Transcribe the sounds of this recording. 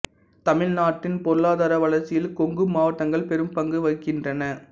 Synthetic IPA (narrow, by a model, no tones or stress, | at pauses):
t̪ɐmɪɻnaːʈːɪnpɔɾɯɭaːðaːɾɐʋɐɭɐɾt͡ʃːɪjɪlkɔŋɡɯmaːʋɐʈːɐŋɡɐɭpɛɾɯmpɐŋɡɯʋɐɪkːɪndrɐnɐ